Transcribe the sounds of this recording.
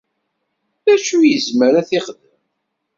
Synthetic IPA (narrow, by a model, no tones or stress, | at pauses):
ðæʃujəzməɾæθiχd̪əm